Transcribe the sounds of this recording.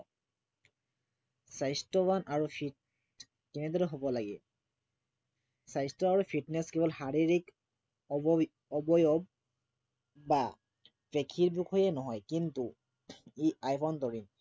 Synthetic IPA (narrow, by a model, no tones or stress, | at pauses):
sajstɔwanaɹupʰit̚ | kɛnɛd̪ɔɹɛɦobɔlaɡɛ | sajstɔaɹupʰiʈnɛskebɔlhaɹiɹik | ɔbɔjɔb | ba | pekʰiɹbikʰɔjɛnɔɦɔjkint̪u | iajpʰɔnt̪ɔɹin